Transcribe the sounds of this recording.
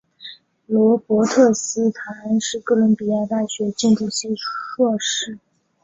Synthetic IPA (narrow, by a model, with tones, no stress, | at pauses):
lwɔ˧˥pwɔ˧˥t̪ʰɤ˥˩sɹ̩˥t̪ʰa˧˥nʂɻ̩˥˧kɤ˥˩lə˧˥npi˨˧˥ja˥˧t̪a˥˩ɕɥɛ˧˥t͡ɕɛ˥˧ʈ͡ʂu˥˧ɕi˥˧ʂwɔ˥˧ʂɻ̩˥˩